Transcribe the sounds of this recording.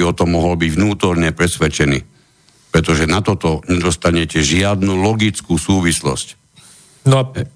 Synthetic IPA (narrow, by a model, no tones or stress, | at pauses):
iɔt̪ɔmːɔɦɔlbiɟʋnuːt̪ɔɾɲɛpɾɛsʋɛt͡ʃɛnḭː | pɾɛt̪ɔʒɛnat̪ɔt̪ɔɲɛd̪ɔst̪aɲɛcɛʒɪad̪nuːlɔɡit͡skuːsuːʋislɔ̰sc | nɔ